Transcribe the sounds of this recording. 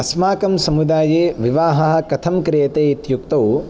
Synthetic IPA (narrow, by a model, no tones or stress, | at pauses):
ɐsmaːkɐmsɐmud̪aːjeːʋiʋaːɦɐɦɐ̆kɐt̪ʰɐmkɾijɐt̪eːit̪juk̚t̪ɐw